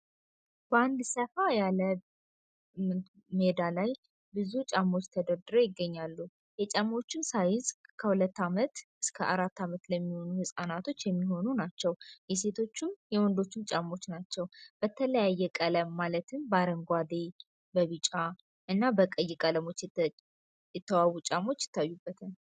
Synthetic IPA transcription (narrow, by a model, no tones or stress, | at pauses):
b̥əand̪səfajalə | m | med̪alaj | bɨzut͡ʃʼamːo̞t͡ʃːt̪ʰəd̪əɾd̪ɨɾo̞jɪɡːəɲːalːu | jɛt͡ʃʼamːo̞t͡ʃːɪnsajɪzʼkʰəhulət̪ːamət̪ʔɨskʰəʔaɾat̪ːamət̪ləmːiho̞nuhɨsʼanat̪ʰo̞t͡ʃːjɛmːiɦo̞nunat͡ʃːɛwjɛse̞t̪ʰo̞t͡ʃːɪmjɛwɔnd̪o̞t͡ʃːɪmt͡ʃʼamːo̞t͡ʃːnat͡ʃːɛwb̥ət̪ʰələjajːɛkʼələmːalət̪ʰɨnbaɾəŋɡʷad̪e | bəβɨt͡ʃʼa | ʔɨnːabəkʼəjːɪkʼələmo̞t͡ʃː | jɛt̪ʰːəwawut͡ʃʼamo̞t͡ʃːjɪ̥t̪ːajːubːət̪ʰən